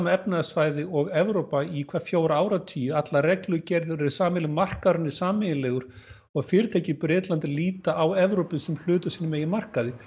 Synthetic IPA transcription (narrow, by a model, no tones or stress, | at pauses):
maɛpnaðasvaːjðɪɔɣɛvɾowpaikʰvḁːfjoːwɾaaːwɾat̪ʰiːjɪat̪larɛklʏcɛɾðʏɾɛɾ̥saːmɪlɪmar̥kaɾʏnːɪ̥saːmɪjɪlɛːɣʏɾ̥ | ɔɣfɪːɾɪt̪ʰeːjcɪpɾɪːt̪lant̪ɪliːt̪aawɛvɾowpɪsɛml̥ʏːt̪ʏsiːnʏmeːjɪmar̥kaðɪ